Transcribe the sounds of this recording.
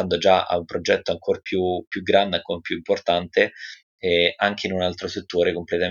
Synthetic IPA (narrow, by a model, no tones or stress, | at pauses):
and̪od͡ʒaa̰umpɾod͡ʒɛt̪ːoaŋkʰorpjupjuɡːɾand̪eaŋkʰorpjuimport̪ant̪e | ɛʔaŋk̟einunalt̪ɾoset̪ːoːɾekomplet̪a